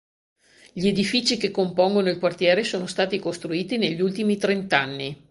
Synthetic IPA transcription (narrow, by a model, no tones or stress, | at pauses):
ʎied̪ifiːt͡ʃikekːompoŋɡonoilkwart̪jɛːɾesoːnost̪aːt̪ikost̪ɾuiːt̪ineʎːult̪imit̪ɾent̪anːi